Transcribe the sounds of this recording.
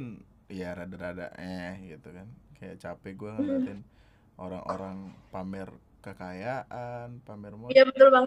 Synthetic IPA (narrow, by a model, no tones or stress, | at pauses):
n | jaɾadaɾada̰ʔɛhɡit̪ukankaja̰ʔt͡ʃapɛɡuaŋut̪ɪn | ʔoɾa̰ŋʔo̰ɾaŋpamɛr | kəkajaʔanpamɛrmajabət̪ʊlbaŋ